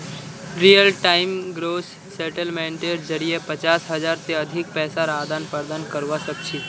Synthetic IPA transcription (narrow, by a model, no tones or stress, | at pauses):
ɾijəlʈaɪmɡɾoːsːeʈəlmẽɳʈeɾd͡ʒəɾijepət͡ʃaːsɦəd͡ʒaːɾt̪eəd̪ʱɪk̚pɛːsaɾaːd̪anpəɾd̪aːnkəɾʋasək̚t͡ʃʰi